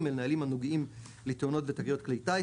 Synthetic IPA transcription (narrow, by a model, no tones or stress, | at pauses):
melnaalimanoɡim | lit̪ono̞tvet̪aɡjo̞tklejta